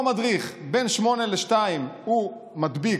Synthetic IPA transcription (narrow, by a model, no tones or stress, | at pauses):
madʁiχbenʃmo̞neleʃtaimhu | madbi